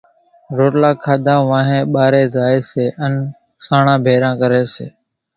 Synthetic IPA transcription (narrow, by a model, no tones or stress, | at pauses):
ɾoːʈlãːkʰaːd̪ʱãːʋãːɦẽːɓaːɾeːzaːeːseːʔən | saːɳãːbʱeːɾãːkəɾeːsḛː